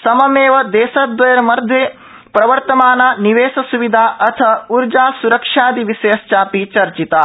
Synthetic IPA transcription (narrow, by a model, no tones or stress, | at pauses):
sɐmɐmeːʋɐd̪ɛːsɐd̪ʋɐjɐɾɐmɐɾd̪ʱjeː | pɾɐʋɐɾt̪ɐmaːnɐniʋeːsɐsuʋid̪ʱaːʔɐt̪ʰɐuɾd͡ʒaːsuɾɐkʂaːd̪iʋiseːst͡ʃaːpit͡ʃɐɾt͡ʃit̪ɐ